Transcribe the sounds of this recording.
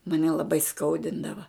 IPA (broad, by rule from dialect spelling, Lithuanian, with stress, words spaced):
mɐˈnʲɛ lˠɐˈbɐɪ ˈskɐʊdʲɪndɐʋɐ